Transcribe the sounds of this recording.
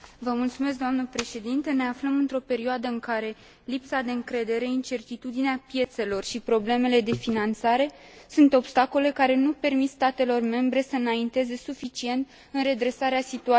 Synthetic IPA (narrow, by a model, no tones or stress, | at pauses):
vəmult̪sumes̬̚d̪oamnəpɾe̞ʃe̞d̪int̪əne̞afləmɨnt̪ɾo̞pe̞ɾioad̪əɨŋkaɾe̞ | lipsad̪e̞ɨŋkɾe̞d̪e̞ɾe̞int͡ʃe̞rt̪it̪ud̪ineapje̞t̪se̞lo̞rʃipɾo̞ble̞me̞le̞d̪e̞finant̪saɾe̞ | sunt̪o̞bst̪ako̞le̞kaɾe̞nupe̞rmit̪st̪at̪e̞lo̞rme̞mbɾe̞səɨnaint̪e̞ze̞sufit͡ʃie̞nt̪ | ɨnre̞d̪ɾe̞saɾeasit̪ua